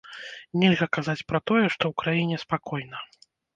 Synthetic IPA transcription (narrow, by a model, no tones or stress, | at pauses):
nʲɛlʲɣɐkazat͡sʲpɾɐt̪ɔjɛʂt̪ɔwkɾajinʲɛspakɔjnɐ